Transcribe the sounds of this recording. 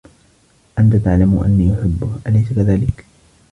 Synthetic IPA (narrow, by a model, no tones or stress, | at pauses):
ʔant̪at̪aʕlamʔa̰nːiːʔʊħɪbːʊʔalajsakaðaːlɪk